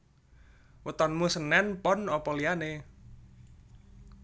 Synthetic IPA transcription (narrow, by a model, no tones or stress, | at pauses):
wət̪ɔnmusənɛnpɔnɔpɔliane